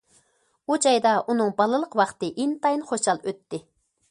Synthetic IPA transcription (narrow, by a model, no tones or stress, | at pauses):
ud͡ʒɑjd̪ɑʔunɨŋbɑlˠɨlˠəqwɑχt̪ɨʔint̪ɑjinχoʃɑlˠøt̪ːɪ